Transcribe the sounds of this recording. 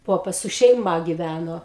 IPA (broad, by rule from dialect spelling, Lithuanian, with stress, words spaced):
ˈpoːpɐs sʊ ʃʲɛɪˈmɐ ɡʲɪʋʲænoː